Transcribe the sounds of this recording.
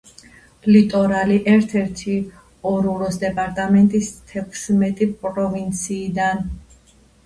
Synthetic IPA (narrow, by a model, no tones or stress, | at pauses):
lit̪ʼɔɾaliʔɛɾt̪ʰɛɾt̪ʰi | ɔɾuɾɔsd̪ɛpʼaɾt̪ʼamɛnt̪ʼist̪ʰɛkʰsmɛt̪ʼipʼɾɔvint̪sʰiːd̪an